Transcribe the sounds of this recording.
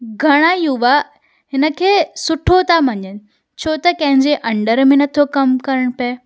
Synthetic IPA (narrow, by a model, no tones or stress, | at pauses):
ɡʱɐɽ̃ajuʋa | ɦɪnə̆kʰeːsʊʈʰot̪ʰamɐɲənɪ̆ | t͡ɕʰoːt̪ɐkɐ̃ɦɪ̃ɲd͡ʑeʔɐ̃ɳɖəɾmẽnɐt̪ʰokɐmkɐɾəɽ̃pɐ